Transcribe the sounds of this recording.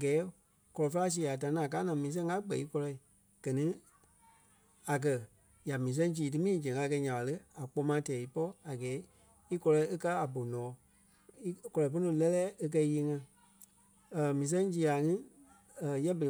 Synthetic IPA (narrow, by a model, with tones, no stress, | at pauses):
ɡɛː˨˦ | kɔ˧lɔ˧fa˦s̬iː˨a˨ta˨nĩ˦˨k̬aː˨˦nã˨mĩː˨˦s̬ɛ̃˧ŋ˦ŋa˦ɡ͡bɛ̰˨i˨˦kɔ˧lɔ˧i˨ | ɡ̥ɜ˨nĩ˦ | a˨k̬ɜ˨ | ja˨mĩː˨s̬ɛ̃˦ŋ˦d͡ʒiː˨t̬ɨ˦mĩː˦d͡ʒɛ̃˨ŋ˨˧a˧˦˧kɛ˧ɲã˨ɓa˨lə˦a˨k͡pɔ˧˦mãː˨˦tɛː˨i˨˦pɔ˦a˨ɡɛː˨˦ | i˦kɔ˧lɔ˧i˦e˦ka˦a˨bo˨nɔ̃ː˨˦ | i˦kɔ˧lɔ˨po˦nũ˧˦lɛ˦lɛː˦e˧k̬ɜ˧jiː˧˦ŋã˧˨ | mĩː˨s̬ɛ̃˦ŋd͡ʒiː˨˦a˨ŋĩ˦˨ | jɛ˦bə˨l